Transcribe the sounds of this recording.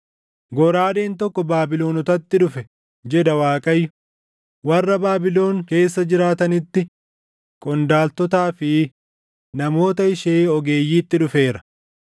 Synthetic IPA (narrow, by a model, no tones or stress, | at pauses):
ɡɔɾaːd̪e̞ːnt̪ɔkːɔbaːbɪlo̞ːnɔt̪ɐt̪ːɪᶑʊfɛ | d͡ʒɛd̪ɐwaːkʼɐjːʊ | wɐrːɐbaːbɪlo̞ːŋke̞ːsːɐd͡ʒɪɾaːt̪ɐnɪt̪ːɪ | kʼɔnd̪aːlt̪ɔt̪aːfɪ | nɐmo̞ːt̪ɐɪʃeːɔɡe̞ːjːiːt̪ːɪᶑʊfe̞ːɾɐ̥